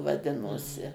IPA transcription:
ʋɐˈdʲɪnoːsʲɪ

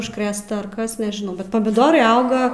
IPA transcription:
ʊʃkˈrʲeːstɐ ɐr ˈkɐs nʲɛʒʲɪˈnɐʊ bʲɛt pɐmʲɪˈdoːrɐɪ ˈɐʊɡɐ

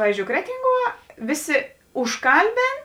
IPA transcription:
ˈpɑːʋʲiːzʲˌd͡ʒʲoːʊ ˈkrʲæːtʲɪŋˌɡuɔ ˈʋʲɪˌsʲɪ ʊʃˈkɐlʲˌbʲeːn

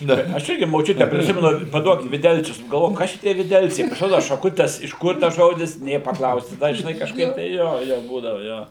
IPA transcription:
ˈnɐ ɪ ɐʃ ˈɪrʲɡʲɪ moːˈt͡ʃʲʊtʲɛ pʲrʲɪˈsʲɪmʲɛnʊ pɐˈduɔk ʋʲɪˈdʲɛlʲt͡sʲʊs nʊ ɡɐlˠˈʋoːjʊ ˈkɐs tʲiɛ ʋʲɪˈdʲɛlʲt͡sʲɛɪ pɐsʲɪˈroːdʊ ʃɐˈkʊtʲɛs ɪʃ ˈkʊr tɐs ˈʒoːdʲɪs ˈnʲeː pɐˈklˠɐʊsʲɪ ˈdɐ ʒʲɪˈnɐɪ kɐʃˈkɐɪp tɐɪ ˈjoː ˈjoː ˈbuːdɐʋʊ ˈjoː

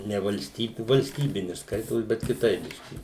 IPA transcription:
nʲɛ ʋɐlʲˈsʲtʲiːbʲɪ ʋɐlʲsʲˈtʲiːbʲɪnʲɪ ˈskɐɪtoːs bʲɛt kʲɪˈtɐɪp ˈbʲɪʃʲkʲɪ

